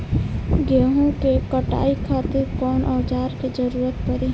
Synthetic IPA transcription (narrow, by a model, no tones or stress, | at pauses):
ɡeːɦõkekəʈa̰ːikʰaːt̪ɪɾkɔːnʔaːʊd͡ʒaːɾked͡ʒəɾuːɾət̪pəɾi